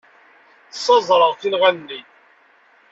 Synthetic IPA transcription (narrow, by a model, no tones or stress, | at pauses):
θsˤːɑzˤɾˤəʁθilʁænːi